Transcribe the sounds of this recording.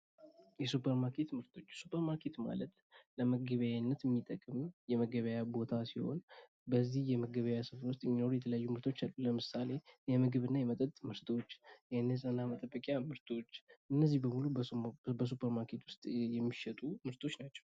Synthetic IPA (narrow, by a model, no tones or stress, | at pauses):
jɛsupʰəɾmaɾkʰe̞t̪mɨɾt̪ʰo̞t͡ʃːsupʰəɾmaɾkʰe̞t̪ma̰lət̪ | ləməɡəβəjanːət̪jɛmːit̪ʼəkʼɨmjɛməɡəβəjabo̞t̪ʰasiho̞̰n | bəzːihjɛməɡəβəjasɨfɾwʊs̬t̪ʼjɛmːino̞ɾujɛt̪ʰələjajːumɨɾt̪ʰo̞t͡ʃːalːuləmɨsale̞jɛmɨɡɨβɨnːajɛmət̪ʼət̪ʼmɨɾt̪ʰo̞t͡ʃːjɛnːes̬ʼənamət̪ʼəbːəkʼjamɨɾt̪ʰo̞t͡ʃːʔɨnːəzːihbəmulubəs̬upʰəɾmaɾkʰe̞t̪wʊst̪ʼjɛmːiʃɛt̪ʼumɨɾt̪ʰo̞t͡ʃːnat͡ʃːɛ̥w